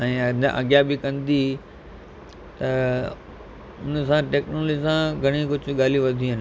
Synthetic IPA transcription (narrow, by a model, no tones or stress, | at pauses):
ɛ̃ːʔɐ̰ɡjabɪkɐ̃nd̪i | t̪ɐ | ʊnsãʈeːknoːlod͡ʑisãɡʱɐɽ̃ikʊd͡ʑʱʊɠaːliʋɐd̪ʱiɦənɪ̆